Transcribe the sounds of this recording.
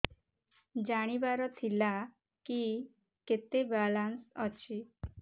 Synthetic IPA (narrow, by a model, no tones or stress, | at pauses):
d͡ʒaɽ̃ibaɾɔt̪ʰila | ki | ket̪ebalansɔt͡ʃʰi